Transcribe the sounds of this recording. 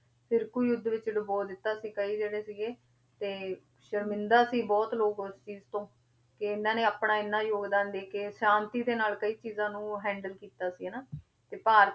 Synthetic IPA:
sɪɾkuːjʊd̪ʋɪt͡ʃɖʊboːd̪ɪt̪ːaːsiːkəiːd͡ʒeːɽeːsɪɡeː | t̪eː | ʃəɾmɪ̃nd̪aːsiːbɔːt̪loːkʊst͡ʃiːzt̪õː | kɪɪnːãːneːaːpɳaːɪnːãːjoːɡd̪aːnd̪eːkeːsãːnt̪iːd̪eːnaːlkəiːt͡ʃiːzãːnũːɦɛ̃ːɳɖəlkiːt̪aːsiːɦɛːnaː | t̪eːpaːɾ

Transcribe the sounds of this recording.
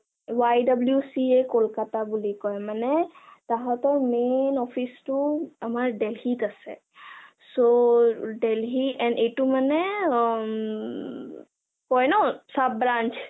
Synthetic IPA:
wajdabljusiekolkatabulikɔjmanɛtaɦɔtɔɹmenɔpʰistʊamaɹɖelɦitasɛ̰ | soɖelɦiɛnetumanɛ | kɔjnɔsab̚ːɹant͡ʃ

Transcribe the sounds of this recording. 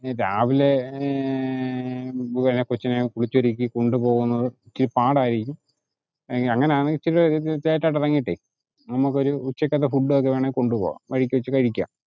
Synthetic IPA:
ɾaːʋile | buɐnekot͡ɕːɐnekuɭit͡ɕːoɾikʲːikoɳɖupo̞ːɣunːɐðɨ | t͡ɕːiɾupaːɽaːjiɾiikʲːum | ɐŋːɐneaːɳɨt͡ɕːiɾt͡ɕeːtːaːʈːɐrɐŋːiiʈːḛ | nɐmːukːo̞ɾuːt͡ɕːɐkːɐðɐfuɖːɨok̬ːeʋeːɳeko̞ɳɖupo̰ːɣa̰ʋɐɻikʲːɐut͡ɕːɐkɐɻikʲːa̰ːm

